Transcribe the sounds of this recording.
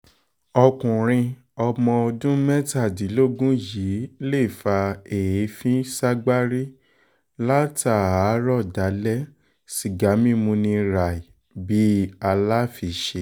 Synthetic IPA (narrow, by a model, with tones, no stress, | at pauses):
ɔ˧kũ˨ɾ̃ĩ˧ | ɔ˧mɔ̃˧o˧dũ˦mɛ˦ta˦˨di˨˦lo˦ɡũ˦ji˨˦le˦˨fa˧e˨je˨˦fĩ˦sa˦ɡ͡ba˦ɾi˦ | la˦ta˨a˨˦ɾɔ˦˨da˨˦lɛ˦ | ʃi˨ɡa˨˦mĩ˦mũ˧nĩ˧ɾa˨i˨ | bi˨˦a˧la˦fi˧˨ʃe˦